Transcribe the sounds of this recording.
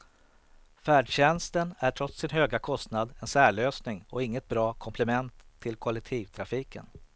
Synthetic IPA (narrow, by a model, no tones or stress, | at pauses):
fæːɖɕɛnst̪ənæʈʰɾɔt̪sːɪnɦøːɡakʰɔst̪nad̪ɛnsæːɭøːsnɪŋɔɪŋːət̪̚bɾɑːkʰɔmpʰlɛmɛnt̪ʰːɪlkʰʊalɛk̚t̪ʰiːvt̪ʰɾafiːkə̰n